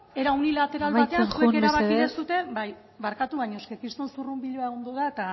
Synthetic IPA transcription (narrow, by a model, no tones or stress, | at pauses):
e̞ɾaunilat̪e̞ɾalat̪e̞ansukeɾaβakiðesut̪e̞baj | βaɾkat̪uβajɲoskekɾist̪o̞nsurumbiʎoaeɣo̞nd̪oðaet̪a